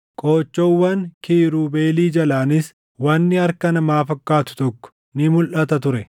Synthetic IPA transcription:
kʼoːt͡ʃːowːɐŋkiːɾuːbe̞ːliːd͡ʒɐlaːnɪs | wɐnːɪɐɾkɐnɐmaːfɐkːaːt̪ʊ̥t̪ɔkːɔ̥ | nɪmʊlʔɐt̪ɐt̪ʊɾɛ

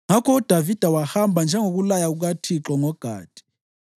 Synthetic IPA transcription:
ŋakʰɔud̥ʱavid̥ʱawahambʱand͡ʒʱɛŋok̬ulajauk̬atʰiǁɔŋɔɡ̥ʱa̰ːd̥ʱi̥

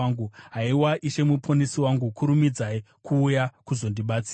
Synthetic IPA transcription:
aŋɡuɦaiwaʔiʃe̞mupʰonisiwaŋɡukʰuɾumid͡zai | kʰuːjakuzo̞ndiɓat͡siː

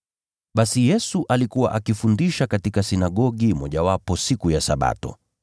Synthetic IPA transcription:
ɓasijɛsuʔalikuwa̰ʔakifundiʃakatikasinaɠɔɠimɔʄawapɔsikujasaɓa̰tɔ̰

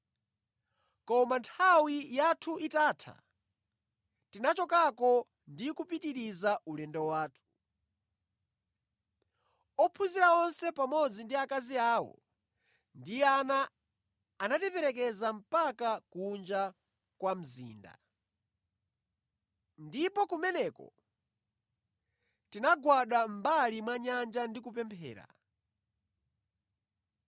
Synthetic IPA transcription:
kɔmantʰawijatʰuʔitaːtʰa̰ | tinat͡ʃɔkakɔ | ndikupitiɾizaulɛndɛwaːtʰu̥ | ɔpʰuziɾaɔnsɛpamɔd͡zindiakaziaːwɔ̰ | ndianaː | natipɛɾɛkɛzam̩pakakuund͡ʒa | kwam̩zḭːnda̰ | ndipɔkumɛnɛːkɔ̰ | tinaɡwaɗambalimwaɲand͡ʒandik̬upɛmpʰɛ̰ːɾa̰

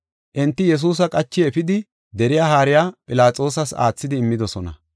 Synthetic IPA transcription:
ʔɪnt̪ːɪjɛs̬uːs̬ɐkʼɐt͡ʃːɪɛfɪd̪ɪ | d̪ɛɾɪjaːɦaːɾɪjaːpʼɪlaːt͡sʼo̞ːs̬ɐsa̰ːt͡sːɪd̪ɪːmːɪd̪ɔsɔnɐ̰

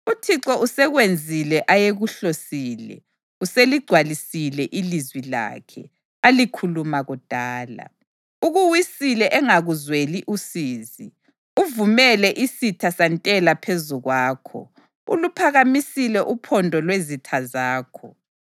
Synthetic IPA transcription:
utʰiǁɔʔusɛɣwend͡zʱilɛʔajeɣuɬosiːlɛ̰ | useliɡ͡ǀʱwalisilɛʔilizwila̰ːkʰɛ̰ | alikʰulumaɣud̥ʱaːla̰ | uɣuwisilɛʔɛŋaɣuzweliʔusiːzi | uvumɛlɛʔisitʰasantʼɛlapʰezuɣwaːkʰɔ̰ | ṵlupʰaɣamisilɛʔupʰɔndʱɔlwezitʰazaːkʰɔ̰

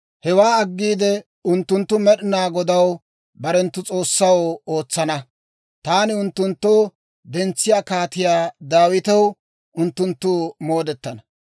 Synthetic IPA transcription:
hɛwaːɐɡːiːd̪ɛ | ʊnt̪ːʊnt̪ːʊmɛɗɪnaːɡɔd̪ɐw | bɐɾɛnt̪ːʊt͡sʼo̞ːsːɐwo̞ːt͡sːɐnɐ | t̪aːnɪʊnt̪ːʊnt̪ːoː | d̪ɛnt͡sːɪjaːkaːt̪ɪjaːd̪aːwɪt̪ɐw | ʊnt̪ːʊnt̪ːʊːmo̞ːd̪ɛt̪ːɐnɐ

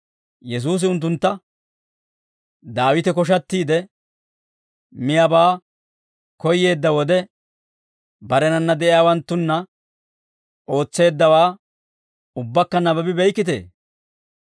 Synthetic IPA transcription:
jɛs̬uːs̬ɪʊnt̪̬ːʊnt̪ːɐ | d̪aːwɪt̪ɛkɔʃ̬ɐt̪ːiːd̪ɛ | mɪjabaː | kɔjːe̞ːd̪ːɐwɔd̪ɛ | bɐɾɛnɐnːɐd̪ɛʔɪjaːwɐnt̪ːʊnːɐ | ʔo̞ːt͡sːe̞ːd̪ːɐwaː | ʊbːɐkːɐnɐbɐbɪbɛjkːɪt̪̬e̞̰ː

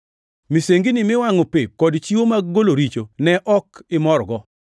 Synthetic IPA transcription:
miseŋɡinɪmɪwaŋɔpɪkːɔdt͡ʃiwomaɡoloɾit͡ʃonɛʔɔkɪmɔɾɡɔ

